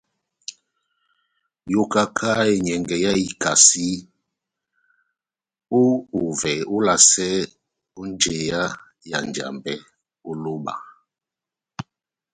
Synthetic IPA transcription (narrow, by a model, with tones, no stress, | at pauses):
jo˦ka˦kʰa˦e˨ɲɛ˨ŋɡɛ˨ja˦i˨ka˨si˦ | o˦u˨vɛ˨o˦la˨sɛ˦ | u˦n˦d͡ʒe˨ja˦ | ja̰˨n˨d͡ʒa̰˨mbɛ˦ | o˦lo˦ba̰˨